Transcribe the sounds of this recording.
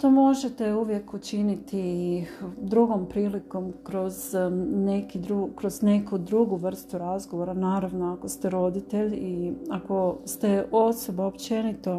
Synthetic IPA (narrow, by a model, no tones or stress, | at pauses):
t̪omo̞ʒe̞t̪e̞uʋje̞kut͡ʃinit̪ʰi | d̪ɾuɡo̞mpɾiːliko̞mkɾo̞zne̞kid̪ɾukɾo̞zne̞kud̪ɾuɡuʋr̩st̪uɾazɡo̞ʋo̞ɾanaːɾaʋno̞ako̞st̪eɾo̞d̪it̪e̞ʎiako̞st̪e̞o̞so̞baopt͡ʃe̞nit̪o̞